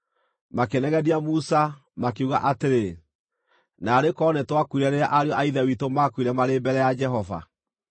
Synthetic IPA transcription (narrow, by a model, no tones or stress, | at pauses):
makenɛɣɛdiamusa | makeuɣaʔateɾe | naːɾekɔnɛtwakuiɾɛneɾaʔaɾeɔʔaiðawitomakuiɾɛmaɾebɛɾɛjad͡ʒɛɦɔva̰